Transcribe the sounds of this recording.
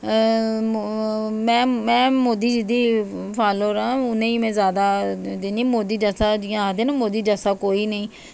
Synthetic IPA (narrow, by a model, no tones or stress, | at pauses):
mɛ̃ːmɛ̃ːmoːd̪iːd͡ʒid̪iː | pʰaːloːɾãːʊnẽːiːmɛ̃ːzjaːd̪aːd̪eːnĩːmoːd̪iːd͡ʒəsaːd͡ʒiãaːd̪eːnãːmoːd̪iːd͡ʒəsaːkoːiːnəĩː